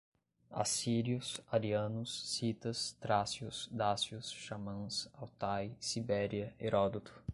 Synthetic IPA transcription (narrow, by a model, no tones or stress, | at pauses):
a̰siɾiʊsaɾiɐ̃nʊsːit̪ɐst̪ɾasjʊsd̪asʊsʃamɐ̃sawt̪ajsibɛɾiɐeɾɔd̪ot̪ʊ̥